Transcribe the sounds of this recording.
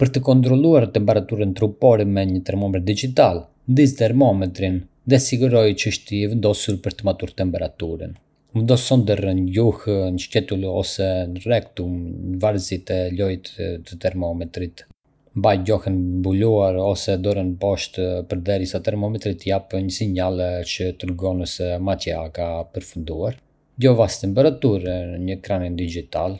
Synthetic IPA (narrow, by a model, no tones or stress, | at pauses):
pəɾt̪əkɔnt̪ɾɔlˠuaɾt̪ɛmpɛɾat̪uɾənt̪ɾupɔɾɛmɛɲət̪ɛɾmɔmɛɾd̪id͡ʒit̪al | nd̪izt̪ɛɾmɔmɛt̪ɾin | ðɛsiɡuɾɔjt͡ʃəəʃt̪iɛvɛnd̪ɔsuɾpəɾt̪əmat̪uɾt̪ɛmpɛɾat̪uɾə̰n | vɛnd̪ɔsɔnd̪ərənɟuhnəʃt̪ɛt̪ulɔ̰sɛnrɛk̚t̪umvaɾzit̪ɛlɔjt̪t̪ət̪ɛɾmɔmɛt̪ɾit̪ | mbajɟɔhɛnbuluaɾɔsɛd̪ɔɾənpɔʃt̪pəɾd̪ɛɾjəsat̪ɛɾmɔmɛt̪ɾit̪japɲəsiɲalt͡ʃət̪əɾɡɔnəsɛmat̪jakapəɾfund̪uaɾ | ɟɔvast̪ɛmpɛɾat̪uɾɲəkɾanind̪id͡ʒit̪al